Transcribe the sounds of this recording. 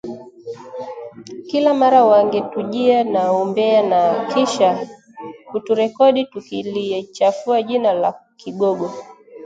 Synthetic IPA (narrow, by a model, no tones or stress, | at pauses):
kilamaɾawaŋɡɛtuʄianaumbɛanakiʃa | kutuɾɛkɔɗitukilit͡ʃafuaʄinalakiɡɔɡɔ